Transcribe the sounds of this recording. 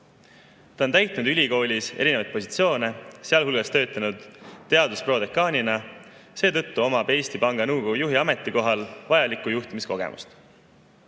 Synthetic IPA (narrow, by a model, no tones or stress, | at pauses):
t̪ɑont̪æjt̪ˑnud̪ylʲiko̞ːlʲise̞̰ɾine̞vɑjt̪̚po̞si̥t̪sio̞ːne̞se̞ɑlɦulɡ̥ɑst̪ø̞ːt̪ːˑɑnud̪̥ːe̞ɑd̪̥uspro̞ːd̪ekːɑːnʲinɑ | se̞ːt̪ɤt̪ːuo̞mɑpe̞jst̪ipɑŋɡ̥ɑnɤwɡko̞ɡujuɦiɑme̞t̪ːˑiko̞ɦɑlvɑjɑlikːˑujuht̪imisko̞ɡ̥e̞̰mṵst̪